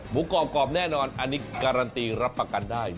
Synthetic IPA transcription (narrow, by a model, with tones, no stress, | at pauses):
mu˨˦˥kɔː˨˩kɔː˨˩p̚nɛː˥˩nɔː˧nʔʔa˧nːi˦˥ka˧ɾa˧nt̪iː˧ɾa˦˥pːɾa˧ka˧ndaː˥˩j